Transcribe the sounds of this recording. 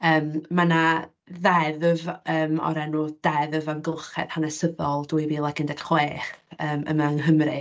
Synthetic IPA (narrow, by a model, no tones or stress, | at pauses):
əːmmana | ðɛðəvəːmɔ̰ɾɛnud̥ɛðəvamɡχɛ̰ð̥hanɛsəðɔlˠduɨviːlˠaɡɪndɛd̥χweːχəːmə̰maŋɦəmrɨ